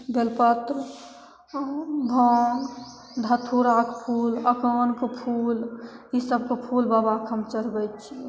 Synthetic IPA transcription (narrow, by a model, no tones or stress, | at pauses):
belpət̪ɾ | bʱəŋɡ | d̪ʱət̪ʰuɾakpʰuːləkənkepʰulisəb̚kepʰulbabakʰəmt͡ʃəɾbɛt̪̚t͡ʃʰi